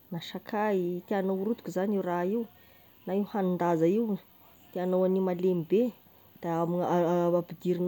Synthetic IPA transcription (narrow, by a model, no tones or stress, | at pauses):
naʃakʰait̪eanowɾut̪u̥kuzaniwraiw | naiwhanund̪azaiw | t̪eanowanimalemibe | d̪̥aamiaabid̪iɾin